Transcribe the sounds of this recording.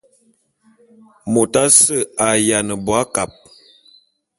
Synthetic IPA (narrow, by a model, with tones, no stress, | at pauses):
mo˨ta˦sə˦˨a˨ja˨nə˨bwa˦ka˨p̚